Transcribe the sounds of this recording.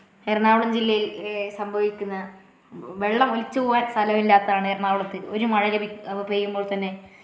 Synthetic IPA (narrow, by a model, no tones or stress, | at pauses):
erɳaːʋuɭɐmd͡ʑilːɐjilsɐmbʱɐʋikʲːunːɐ | ʋeɭːɐmolit͡ɕːɐuʋaːɾst̪ʰɐlɐmilːaːt̪ːɐaːɳɨerɳaːʋuɭɐt̪ːɨo̞ɾumɐɻɐɾɐbʱiɐbibejumbo̞ːɭt̪ɐnːe̞